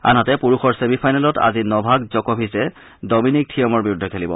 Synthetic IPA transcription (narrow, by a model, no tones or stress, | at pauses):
a̰nɦɔtɛpuɹuxɔɹsemipʰajnalɔta̰zinɔbʱaɡzɔkɔpʰisɛ | dɔminik̚tʰijɔmɔɹbiɹudʱːɔkʰelibɔ̰